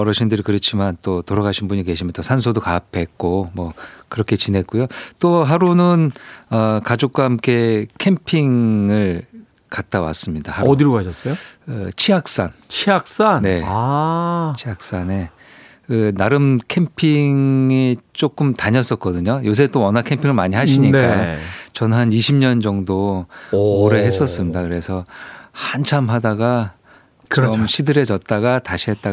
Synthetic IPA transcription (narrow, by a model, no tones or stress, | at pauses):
ʌɾʌɕʰindɯɾikɯɾet͡ɕʰimant͈otoɾaɡaɕʰinbuɲike̞ɕʰimjʌnt͈osʰansʰodokapʰe̞k̚k͈omwʌkɯɾʌkʰe̞t͡ɕinɦe̞k͈ujot͈oɦaɾunɯnʌkad͡ʑok̚k͈waɦamk͈e̞kʰe̞mpʰiŋɯɭ | kat̚t͈awa̰s͈ɯmɲida̰hauʌdiɾɡoaɕʰʌs͈ʌjoɯ̰t͡ɕʰiɦak̚s͈ant͡ɕʰiak̚s͈anne̞a | t͡ɕʰiɦak̚s͈ane̞ | kɯnaɾɯmkʰe̞mpʰiŋit͡ɕ͈ok͈ɯmtaɲʌs͈ʌt̚k͈ʌdɯɲojos̬ʰet͈owʌnakʰe̞mpʰiŋɯɭmaɲiɦaɕʰiɲink͈at͡ɕʌnɦaniɕʰimɲʌnd͡ʑʌŋdo | oɾeɦe̞s͈ʌs͈ɯmɲidakɯɾe̞sʰʌhant͡ɕʰamɦadaɡa | t͡ɕɯɾʌmɕʰidɯɾe̞d͡ʑʌt̚t͈aɡataɕʰiɦe̞t̚t͈a